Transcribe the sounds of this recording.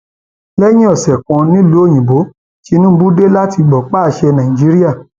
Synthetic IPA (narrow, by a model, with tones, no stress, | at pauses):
lɛ˦j̃ĩ˦ɔ˨sɛ˨kã˧nĩ˦lu˨˦o˦˨j̃ĩ˨bo˨˦ | ki˦˧˦nũ˦bu˦de˦la˦ti˧ɡ͡bɔ˨k͡pa˦˨ʃɛ˧nã˨ĩ˨d͡ʒi˨˦ɾi˦a˦˨